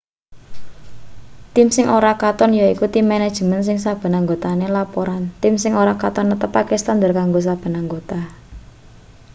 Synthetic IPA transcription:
t̪ɪmsɪŋʔoɾakat̪ɔnjaikut̪imɛned̥ʒ̥ə̤məns̬ɪŋsab̥ə̤naŋɡot̪anelapoɾant̪ɪmsɪŋoɾakat̪ɔnːət̪əpakest̪and̪ərkaŋɡos̬ab̥ə̤naŋɡot̪a

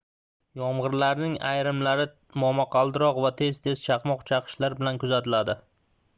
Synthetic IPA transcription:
jɒmʁɨɾlaɾnɪŋajɾɪmlaɾɪ | mɒmɒqʰɑlˠd̪ɪɾɒqvat̪ʰe̞zt̪ʰe̞z̥t͡ʃʰɑqmɒqt͡ʃʰɑqʰɨ̥ʃlaɾbɪlankʊzat̪ɪlad̪ɪ

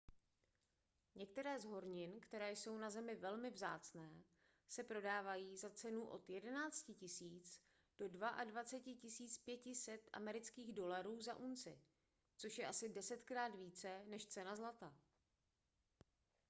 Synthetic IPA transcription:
ɲɛk̚t̪ɛɾɛːzɦo̞ɾɲɪnkt̪ɛɾɛːjso̞wnazɛmɪvɛlmɪvza̰ːt͡snɛː | sɛpɾo̞daːvajiːzat͡sɛnuʔo̞̰t̪jɛdɛnaːt͡scɪcɪsiːt͡s | d̥o̞dvaʔadvat͡sɛcɪcɪsiːt͡spjɛcɪsɛt̪ʔa̰mɛɾɪt͡skiːɣdo̞laɾuːzaʔunt͡sɪ̰ | t͡so̞ʃjɛʔasɪdɛsɛt̪kɾaːt̪viːt͡sɛnɛʃt͡sɛnazlat̪a

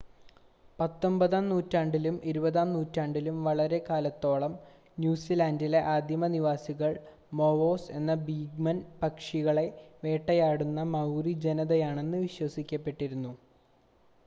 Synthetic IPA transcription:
pɐt̪ːo̞mbɐðaːmnuːtːaːɳɖilumʔeɾubɐðaːmnuːtːaːɳɖilumʋɐɭɐɾe̞kaːlɐt̪ːo̞ːɭɐm | njuːsilaːndile̞ʔaːd̪ʱjɐmɐniʋaːsiɣɐɭ | mo̞ʋo̞ːse̞nːɐbiːɡmɐnpɐkʂiɣɐɭe̞ʋe̞ːʈːɐjaːɽunːɐmɐwɾid͡ʑe̞nɐðɐjaːɳe̞nːɨʋiɕwɐsikʲːɐpːe̞ʈːiɾunːu

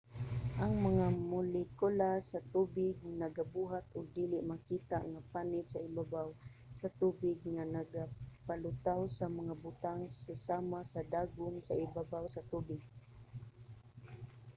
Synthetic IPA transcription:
ʔaŋmaŋamʊlɪkʊlasat̪ubɪɡ̚naɡabuɦat̪ʊɡ̚d̪iːlɪʔmakiːt̪a̰ʔŋapanɪt̪saɪbabaw | sat̪uːbɪɡŋanaɡapalʊt̪awsamaŋabʊt̪aŋsasamasad̪aɡʊmsaɪbabawsat̪ubɪɡ̚

